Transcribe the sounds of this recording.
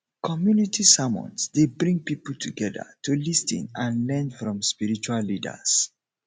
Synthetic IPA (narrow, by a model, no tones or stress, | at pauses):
kʰɔmjunitʰisamɔ̰̃nsdebɹĩŋ̚pipəltʰuɡɛðə̰tʰulistḭ̃nãnlɛ̃nfɹɔ̃mspiɹit͡ʃualːidə̰s